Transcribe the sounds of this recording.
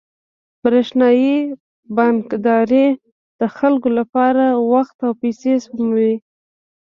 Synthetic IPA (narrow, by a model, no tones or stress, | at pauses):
b̥ɾeʃnɑji | bankd̪ɑɾe | d̪̥əxalkolapɑɾawaxt̪awpejsesmawi